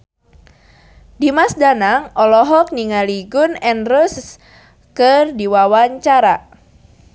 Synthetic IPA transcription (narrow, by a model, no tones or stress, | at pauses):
dimasdanaŋʔɔlɔɦɔk̚niŋaliɡʊnɛnrus | kɨrdiwawaɲt͡ʃaɾa